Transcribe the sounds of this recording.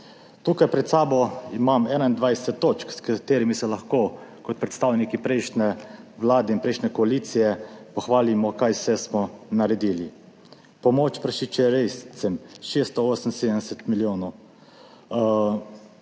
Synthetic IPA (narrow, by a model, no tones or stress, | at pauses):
t̪uːkajpɾɛt̪saːbɔimamɛːnaind̪ʋajsɛt̪ːoːt͡ʃkskat̪eːɾimisɛlaxkoːkɔt̪̚pɾɛt̪st̪aːwnikipɾɛɪʃnɛʋlaːd̪ɛinpɾɛjʃnɛkɔaliːt̪sijɛpɔxʋaːlimɔkajsɛsmɔnaɾɛd̪iːli | pɔmoːt͡ʃpɾaʃit͡ʃɛɾessɛmʃeːst̪ɔoːsən̩seːd̪əɛsɛt̪miljoːnɔw